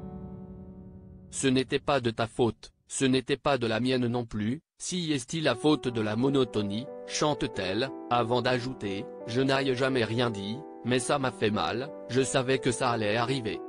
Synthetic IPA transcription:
sənet̪ɛpad̪ət̪afot̪ | sənet̪ɛpad̪əlamjɛnnɔ̃ply | siɛst̪ilafot̪d̪əlamɔnɔt̪ɔniʃɑ̃t̪t̪ɛlavɑ̃d̪aʒut̪e | ʒənajʒamɛʁjɛ̃d̪i | mɛsamafɛma̰l | ʒəsavɛkəsaːlɛaʁive

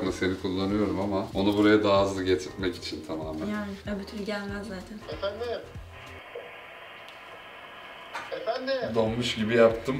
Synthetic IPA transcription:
lˠase̞nikʰulˠːanɯjo̞ɾumamao̞nubuɾajad̪aːzˠɯɟet̪ʰiɾmɛci̥t͡ʃʰint̪ʰamaːmæjaːnɪjabyt̪ʰynɟælʲmæzzaːt̪ʰænefænd̪i | efænd̪id̪onmuʃɟibijapt̪ʰɯm

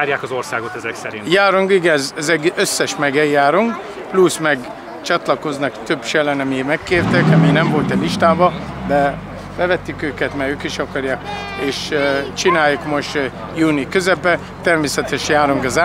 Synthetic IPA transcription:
rjaːkɒzorsaːɡot̪ɛzɛksɛɾḭnjaːɾoŋɡiɡɛzɛzɛɡʔøsːɛʃmɛɡɛjːaːɾoŋɡ | plusmɛɡ | t͡ʃɒt̪lɒko̞znɒkt̪ø̞bʃɛlɛnɛmimɛkːeːrt̪ɛkɛmiːnɛɱvo̞lt̪ɛliʃt̪aːbɒd̪ɛ | bɛvɛt̪ːykøːkɛt̪mɛjøːkiʃɒkɒɾjaːk | eːʃt͡ʃinaːjukmoʃt̪ | juːnikøzɛpɛ | t̪ɛrmeːsɛt̪ɛʃjaːɾoŋɡɛza

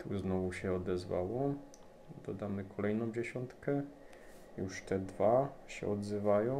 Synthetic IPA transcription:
t̪ʰuznɔvuɕɛɔd̪ɛzva̰wɔ | d̪ɔd̪amɘkɔlɛjnɔ̃w̃d͡ʑɛɕɔnt̪kɛ | juʂt̪ɛd̪vaɕɛ̰ɔd̪zɘvajɔ̃

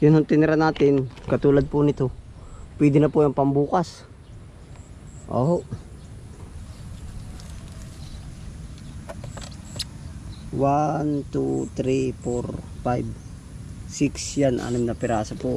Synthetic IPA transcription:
jʊnhʊŋt̪ɪnɪɾanaːt̪ɪnkɐt̪uːlɐd̪̚pʊnɪt̪o | pwɛːd̪ɪnɐpʊjɐŋpɐmbuːkas | ʔo̰ːhoʔ | want̪ut̪ɾifoɾfajb | sɪksjanʔɐ̰nomnɐpɪɾaːsɐpʊ

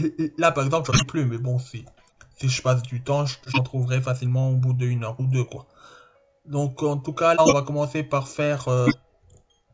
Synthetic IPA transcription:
lapaʁɛɡzɑ̃plʒɔnɛplymɛbɔ̃si | siʒəpas̬d̪yt̪ɑ̃ʒʒɑ̃t̪χuvʁɛfasilmɑ̃obud̪əynœʁud̪økwa | d̪ɔ̃kɑ̃t̪ukalaɔ̃vakɔmɑ̃sepaʁfɛːʁø

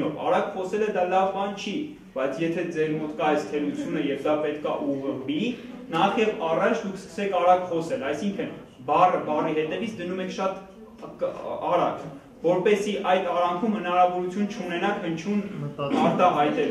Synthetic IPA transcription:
ɔ̰vɑ̰ɾɑkχɔsɛləd̪ɑlɑvbɑnt͡ʃʰi | b̥ɑjt͡sʰjɛt̪ʰɛd͡zɛɾmɔt̪kɑɛjst̪ʰɛlut͡sʰjunəjɛvd̪ɑpɛt̪kʰɑ̰ʔuʁəbinɑχjɛvɑrɑt͡ʃʰd̪ukʰskə̥sɛkʰɑɾɑkχɔsɛlɑjsiŋkʰən | bɑrəbɑriɦɛt̪ɛvit͡sʰd̪ənumɛkʰʃɑt̪ | ɑɾɑk | vɔɾpɛsiʔɑjt̪ɑɾɑŋkʰumhənɑɾɑvɔɾut͡sʰjunt͡ʃʰunɛnɑkʰhənt͡ʃʰunɑɾt̪ɑɦɑjt̪ɛ

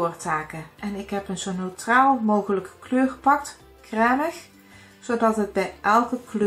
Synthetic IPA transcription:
rtaːkəʔɛnɪkɦɛpənzownowtraːlˠmowɣələkəkløːrpɑk̚t | krɛːnəx | z̥owdɑtɦəd̚bɛjʔɛlˠkəklø

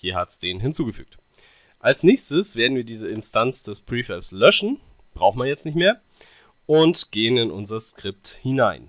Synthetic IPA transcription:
hiːɐhatsd̥eːnɦɪnt͡suːɡəfy̰ːk̚t | ʔalsnɛːçstəsv̥eːɐdn̩viːɐdiːzəɪnstʰant͡sd̥ɛspʁ̥iːfɛslœʃn̩ | b̥ʁaʊxn̩mvajɛt͡stnɪçtmeːɐ | ʔʊntɡ̥eːənɪnʔʊ̰nzɐskʁ̥ɪp̚thɪnaɪn

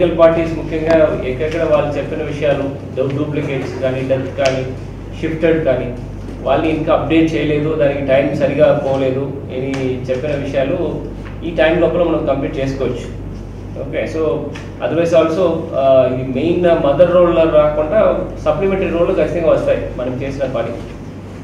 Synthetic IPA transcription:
kɐlpaːɾʈiːsmukʰjɐŋɡaːɛkːɐɽɐkːɐɽaʋaːɭːut͡ʃepːinɐʋiʂɐjaːlu | ɖɐbɡɾuːpleŋɡeːʈskaːniɖɐɾt̪kaːlni | ʃifʈeɖkaːni | ʋa̰ːɭniːŋkaɐp̚ɖe̞ːʈ̚t͡ʃɛːjɐle̞ːd̪ud̪aːnikiʈɐjmsɐɾiɡaːpɔːʋɐle̞ːd̪u | ḛnit͡ʃepːinɐʋiʂɐjaːlu | iːʈɐjmlɔːpːɐlumɐnɐmukɐmpliːʈ̚t͡ʃeːskoːʋɐt͡ʃːu̥ | o̰ːkeːsoː | ɐ̰d̪ɐɾʋɐjzaːlso̞ːime̞jnmɐd̪ɐɾo̞ːlɐɾaːkuɳʈaːsɐplimeɳʈɾiɾoːlːukɐt͡ʃːit̪ɐŋɡaːʋɐst̪aːjimɐnɐmt͡ʃe̞ːsinɐpaːʈikḭ

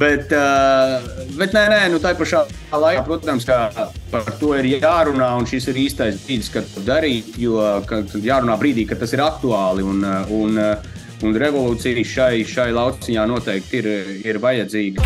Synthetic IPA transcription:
bɛt̪ː | bɛt̪nɛnɛnut̪ajpaʃaː | aːlˠajpɾuɔt̪amskapaɾt̪uɔiɾjaːɾunaːunʃisiɾiːst̪ajs̬bɾiːd̪skat̪ud̪aɾiːt̪juɔkaajaːɾunaːbɾiːd̪iːkat̪ːasiɾakt̪uaːlˠiunun | unɾɛvɔlˠuːt̪sijʃajʃajlˠɑw̪sijaːnuɔt̪ɛjk̚t̪iɾiɾvajad̪ziːɡi

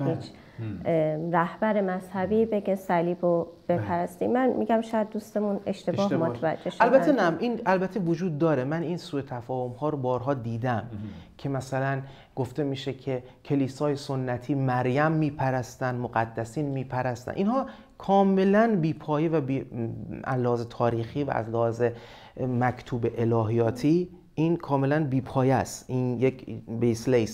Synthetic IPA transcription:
hit͡ʃʰ | ɾæhbæɾe̞mæz̥hæbiːbe̞ɡesæliːbob̥e̞pʰæɾæst̪imænmiɡæmʃɒjæd̪̚d̪ust̪emune̞ʃt̪e̞bɒːhmot̪ʰvæ̰d͡ʒːeʃælbæt̪ʰːenæʔinælbæt̪ʰːevod͡ʒuːd̪̚ːɒːɾemæniːnsuːet̪ʰæfɒːhomhɒːɾobɒːɾɦɒːd̪iːd̪æmcʰe̞mæsælæn | ɡ̥oft̪e̞miːʃe̞cʰe̞cʰe̞liːsɒːje̞sonːæt̪ʰiːmæɾjæmːiːpʰæɾæst̪ænd̪moɣæd̪ːæsiːnmiːpʰæɾæst̪æ̰nʔiːnhɒː | kʰɒːme̞lænbiːpʰɒːjevæbi | æ̰zlːehɒːzet̪ʰɒːɾiːxiːvæ̰æ̰zlehɒːze̞ | mækʰt̪ʰuːbeʔelɒːɦijɒːt̪ʰiː | ʔiːnkʰɒːme̞lænbiːpʰɒːjæst̪ʔinjecʰbeslejs

